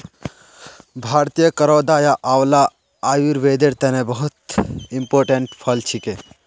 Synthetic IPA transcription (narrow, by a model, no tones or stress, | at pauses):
bʱaːɾt̪ijəkəɾɔːd̪aːjaʔaːwla | aːjuɾʋeːd̪eɾt̪ɛnebɐɦut̪impoːɾʈẽɳʈpʰɐlt͡ʃʰike